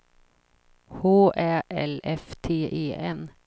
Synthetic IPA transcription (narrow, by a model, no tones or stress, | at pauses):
hoːʔæːɛ̰lɛft̪ʰeːʔeːʔɛn